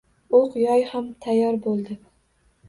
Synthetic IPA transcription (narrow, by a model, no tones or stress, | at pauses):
oqjɒjhamt̪ʰajːɒɾbolˠd̪ɪ